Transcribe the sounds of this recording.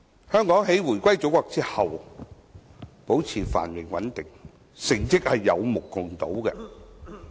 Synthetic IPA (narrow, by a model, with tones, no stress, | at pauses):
hœː˥ŋkɔː˨˥ŋɦe˨˥jwuː˨˩jkʷɐ˥jt͡so˨˥wkɔː˧k̚t͡siː˥hɐ˨w | po˨˥wt͡sʰiː˨˩fa̰ː˨˩nmɪ˨˩ŋwɐ˨˥nt̪ɪ˨ŋ | sɪ˨˩ŋt͡sɪ˥k̚hɐ˨jːɐ̰˨˧wmʊ˨˩kːʊ˨ŋt̪o̰˨˥wkɛ̰˧